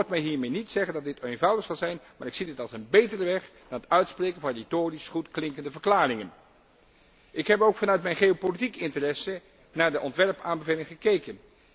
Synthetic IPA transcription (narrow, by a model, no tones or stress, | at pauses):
tmɛjɦiːɹmejnitsɛχəndɑdɪtejnvʌwdəχsɑlˠzɛjnmaːɹɪksidɪtɑlˠsənbejtərəʋɛχd̥ɑnətœɥtsprejkən̩vɑnretoːrisχutklɪŋkəndəvəɹklaːrɪŋən | ʔɪkɦɛpowkfɑnœɥtmɛjnχeowpolitikɪntərɛsə | naːɹdəʔɔntʋɛɹpaːnbəvejlɪŋχəkejkən